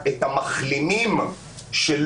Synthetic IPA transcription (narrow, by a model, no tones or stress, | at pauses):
et̪hamaχlinim | ʃel